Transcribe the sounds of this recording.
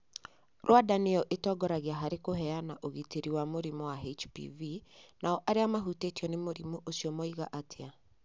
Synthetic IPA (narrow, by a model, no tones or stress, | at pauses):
ɾwadanejɔʔetɔɡɔɾaɣeaɦaɾekoɦɛanaʔoɣiteɾiwamoɾimɔwaɦet͡ʃpḭvinaɔʔaɾeamaɦutetiɔnemoɾimuʔosjɔmɔiɣaʔatʰea